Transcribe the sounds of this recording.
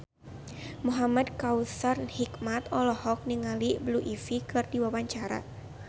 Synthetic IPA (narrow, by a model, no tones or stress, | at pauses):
muɦamadkawsarnhikmat̪ɔlɔhɔk̚niŋalibluʔifikɨrdiwawaɲt͡ʃaɾa̰